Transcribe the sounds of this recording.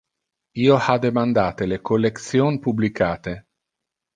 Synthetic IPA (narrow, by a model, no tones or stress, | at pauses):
iːoad̪emand̪aːt̪elekolːek̪sjoːnpublikaːt̪e